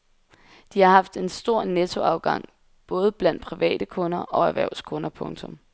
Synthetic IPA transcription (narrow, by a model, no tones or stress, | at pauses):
d̥ihɑ̈ɦɑ̈fd̥e̝nsd̥o̝ɐ̰net͡sʰo̝ɑ̈ʊɡ̥ɑ̈ŋ̰ | b̥ɔ̽ːð̞ˠəb̥læn̰d̥̚pʰʁiʋɛ̰ːd̥əkʰɔ̽nɐʔɒ̽æʋæɐ̰ʊskʰɔ̽nɐpʰɔ̽ŋt͡sʰɔ̽m